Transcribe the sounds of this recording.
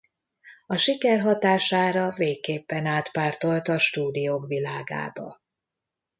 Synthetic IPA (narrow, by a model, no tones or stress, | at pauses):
ɒʃikɛrɦɒt̪aːʃaːɾɒveːkːeːpːɛnaːt̪paːrt̪o̞lt̪ɒʃt̪uːd̪ijoːkʋilaːɡa̰ːbɒ̰